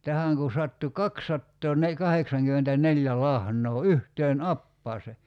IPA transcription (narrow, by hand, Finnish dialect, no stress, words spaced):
tæhæŋ kun̞ sɑtːu kɑksːɑtːoːne kɑheksɑŋkymːentænelʲjæ lɑhnˑoː yhteːn ɑpːɑːse